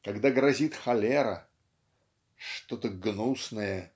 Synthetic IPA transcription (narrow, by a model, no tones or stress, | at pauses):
kɐɡd̪aɡɾɐzʲit̪xɐlʲeɾə | ʂt̪o̞t̪əɡnusnəjə